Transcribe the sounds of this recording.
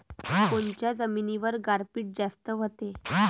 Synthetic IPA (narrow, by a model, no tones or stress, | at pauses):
kont͡ɕjad͡zəminiʋəɾɡaɾpiːʈ̚d͡zast̪əʋət̪e